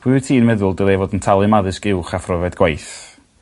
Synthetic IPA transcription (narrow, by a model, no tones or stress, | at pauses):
b̥ʰwɪtʰiːnmɛðʊlˠdɪlˠɛːvɔdəntʰalˠɨmaðɨsɡɪwχafrɔvɛdɡwajθ